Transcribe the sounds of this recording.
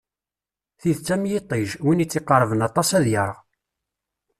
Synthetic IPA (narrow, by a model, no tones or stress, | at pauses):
θiðt͡sːæmjit̪ˤːiʒwinit͡sːɪqːəɾˤvənɑt̪ˤɑsæðjəɾʁ